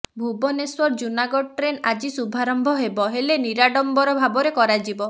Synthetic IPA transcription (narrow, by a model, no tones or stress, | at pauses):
bʱubɔneswɔɾd͡ʒunaɡɔʈɾenad͡ʒisubʱaɾɔmbʱɔɦebɔɦeleniɾaɽɔmbɔɾɔbʱabɔɾekɔɾad͡ʒibɔ